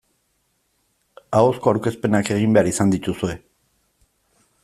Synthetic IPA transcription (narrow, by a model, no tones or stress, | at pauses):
aosko̞aɾke̞spe̞nake̞ɣ̞imbe̞aɾisand̪it̪usue̞